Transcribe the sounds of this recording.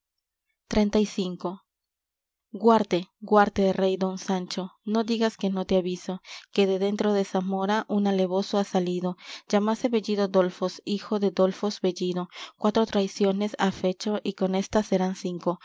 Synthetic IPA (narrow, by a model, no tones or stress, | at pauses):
t̪ɾe̞nt̪ajsiŋko̞ | ɡwaɾt̪e̞ɡwaɾt̪eðere̞jd̪o̞nsant͡ʃo̞no̞ðiɣaske̞no̞t̪eaβiso̞ke̞ðe̞ðe̞nt̪ɾo̞ðe̞samo̞ɾaʔunale̞βo̞soasaliðo̞d͡ʒamase̞βe̞ʝiðod̪o̞lfo̞sixo̞ðed̪o̞lfo̞sbe̞ʝiðo̞kwat̪ɾo̞t̪ɾajsjo̞ne̞safe̞t͡ʃo̞ʔiko̞ne̞st̪ase̞ɾansiŋko̞